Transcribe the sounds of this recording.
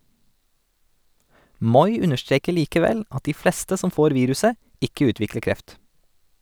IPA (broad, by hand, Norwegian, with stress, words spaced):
ˈmɔʏ ˈʉnəʃˌtɾeːkə ˈliːkəˌʋɛl ˈɑt ˈiː ˈfleːstə ˈsɔm ˈfoːɾ ˈʋiːɾʉsə ˈɪkə ˈʉːtʋɪklə ˈkɾɛft